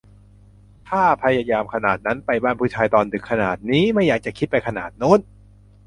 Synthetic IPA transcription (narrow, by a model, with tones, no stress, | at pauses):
t̪ʰaː˥˩pʰa˧jaː˧jaː˧mkʰa˧naː˨˩t̪̚na˦˥npa˧jbaː˥˩npʰuː˥˩t͡ɕʰaː˧jt̪ɔː˧ndɯ˨˩kʰːa˧naː˨˩t̪̚niː˦˥ma˥˩jaː˨˩k̚t͡ɕa˨˩kʰi˦˥t̪̚pa˧jkʰa˧na̰ː˨˩t̪̚no˦˥˩n